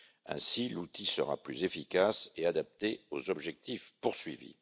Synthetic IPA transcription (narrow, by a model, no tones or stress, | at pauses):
ɛ̰̃silut̪ʰisə̰ʁa̰plyzefikasead̪ap̚t̪eozɔbʒɛk̚t̪ifpuʁsɥivḭ